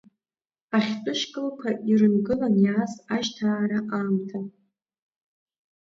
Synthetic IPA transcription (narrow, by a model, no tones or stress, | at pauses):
aħʲtʼɨʃkʼɨlkʷʰaʔirɨnɡɨlanjaːsaʒtʰaːɾaʔaːmtʰa